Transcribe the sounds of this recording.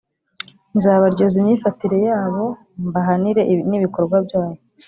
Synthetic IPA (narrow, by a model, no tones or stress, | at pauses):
nzaːβaɾɟozimɲiːfatiɾe̞jaːβo̞ | mbaɦaniɾe̞niβiko̞ɾɡwabjaːjo